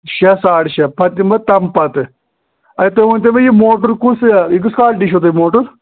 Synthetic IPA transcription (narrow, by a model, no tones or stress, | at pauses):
ʃɐsaːʈʃɐpɐt̪imbɐt̪ɐmpɐt̪ɨ | ɐjit̪omɐnʲt̪ɐmɐjimoːʈuɾkusik̬ɨskaːlʈiʃot̪ɐimoːʈuɾ